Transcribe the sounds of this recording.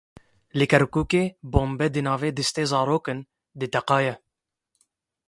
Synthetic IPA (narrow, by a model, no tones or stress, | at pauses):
lɪkɛɾkuːkeːboːmbɛd̪ɨnɑːveːd̪ɨst̪eːzɑːɾoːkɨn | d̪ɨt̪ɛqɑːjɛ